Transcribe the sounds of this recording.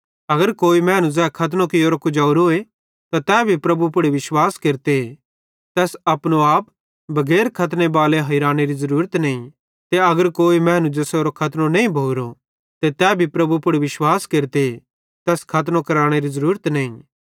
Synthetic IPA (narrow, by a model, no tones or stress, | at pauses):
ɐɡəɾkoːimɛ̃ːnũzɛːkʰɐt̪nõkioːɾokʊd͡ʒɐʊɾoːe | t̪at̪ɛːbʱipɾɐbupʊɽiʋɪʃwaːskeːɾt̪e | t̪ɛːsɐpɽ̃oaːp | bʱɐɡɛːɾkʰɐt̪ñebaːleɦɐiɾaːɽ̃eɾizɐɾuːɾət̪nɐĩ | t̪eɐɡəɾkoːimɛ̃ːnũd͡ʒɐseoːɾokʰɐt̪nõnɐĩbʱɐʊɾo | t̪et̪ɛːbʱipɾɐbupʊɽiʋɪʃwaːskeːɾt̪e | t̪ɛːskʰɐt̪̬nõkɐɾaːɽ̃eɾizɐɾuːɾət̪nɐːĩ